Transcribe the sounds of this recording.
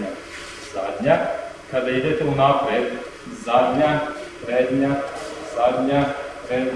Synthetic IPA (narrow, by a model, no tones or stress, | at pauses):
a | zad̪ɲa | kad̪aid̪ɛt̪ɛunaːpɾed̪ | zad̪ɲapɾɛːd̪ɲazad̪ɲapɾɛ